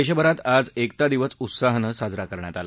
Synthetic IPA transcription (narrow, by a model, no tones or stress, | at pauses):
əjɕəbəɾat̪ad͡zekt̪ad̪iʋəsut̪saɦnəsad͡zɾakəɾɳjat̪ala